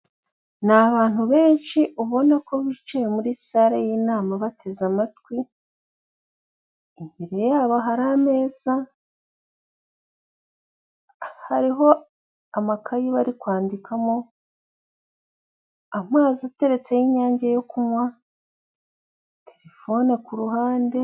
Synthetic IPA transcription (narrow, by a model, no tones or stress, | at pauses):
naβaːn̥huβe̞ːnʃiʔuβo̞nako̞βit͡ʃejemuɾisaɾajiːnaːmaβatʰe̞zamatwi | mbiɾejaːβaɦaɾame̞ːz̥a | haɾiɦo̞ | amakʰajiβaɾikwaːndikʰamo | maːziate̞ɾe̞t͡se̞jiɲaːɲɟajo̞kumwa | tʰe̞ɾe̞fo̞nekuɾuhaːnde̞